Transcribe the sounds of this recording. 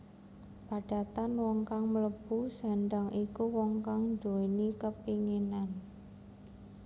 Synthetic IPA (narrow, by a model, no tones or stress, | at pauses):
paɖ̥a̤t̪anwɔŋkaŋmələb̥usa̤ɳɖaŋʔikuwɔŋkaŋnd͡ʒoenikəpiŋenan